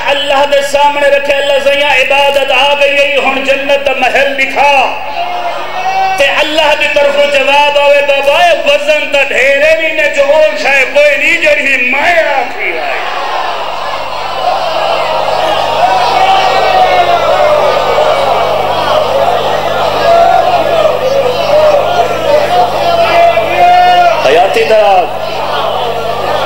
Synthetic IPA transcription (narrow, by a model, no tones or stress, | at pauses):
ɐlːaɦd̪esaːmneɾɐkʰeɐlːaɦsɐĩjãːɪbaːd̪ət̪aːʋejɐiɦʊɳd͡ʒɐnːət̪̚d̪amɐɦəlbikʰaː | t̪eʔɐlːaɦd̪iːt̪ɐɾfũd͡ʒɐʋaːbaːʋebɐbaːeʋɐzənt̪aɖʱeːɾeːɾiːnẽd͡ʒot͡ʃʰaːekoːinĩd͡ʒeɾɪɦĩmaeaːkʰɾiːa̰ːḛ | ɦɐjaːt̪id̪aaːb